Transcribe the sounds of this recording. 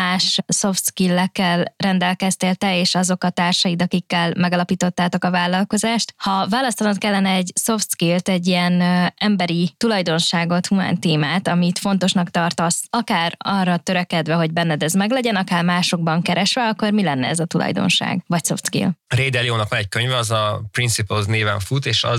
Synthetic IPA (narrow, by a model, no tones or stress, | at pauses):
aːʃso̞ft̪skilːɛkːɛlrɛnd̪ɛlkɛst̪eːlt̪ɛeːʃɒzo̞kɒt̪aːrʃɒjid̪ɒkikːɛlmɛɡɒlɒpiːt̪o̞t̪ːaːt̪o̞kɒvaːlːɒlko̞zaːʃt̪hɒvaːlɒst̪ɒnɒt̪kɛlːɛnɛɛɟso̞ft̪skilt̪ɛɟːiɛnɛmbɛɾit̪ulɒjd̪o̞nʃaːɡo̞t̪huma̰ːnt̪eːmaːt̪ɒmit̪fo̞n̪t̪o̞ʃnɒkt̪ɒrt̪ɒsɒkaːrɒrːɒt̪ø̞ɾɛkɛd̪vɛɦo̞ɟbɛnːɛd̪ɛzmɛɡlɛɟɛnɒkaːrmaːʃo̞ɡ̚bɒŋkɛɾɛʃʋɛɒkːo̞rmilɛnːɛ̰ɛzɒt̪ulʔɒ̰jd̪o̞̰nʃa̰ːɡvɒcso̞̰fskḭlɾeːd̪ɛlioːnɒkʋɒnɛc̚køɲvɛɒzɒpɾinsipulzneːvɛɱfut̪eːʃɒ